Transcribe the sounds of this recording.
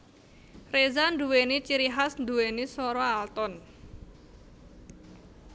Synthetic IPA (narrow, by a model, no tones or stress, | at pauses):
rezand̪uwenit͡ʃiɾiɦasnd̪uwenisɔɾɔalt̪ɔn